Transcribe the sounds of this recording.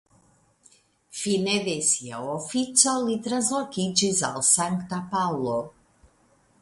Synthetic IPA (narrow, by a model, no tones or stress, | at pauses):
finevesjaofit͡salit̪ɾazɔkit͡ʃizalˠsaŋkt̪apawlˠo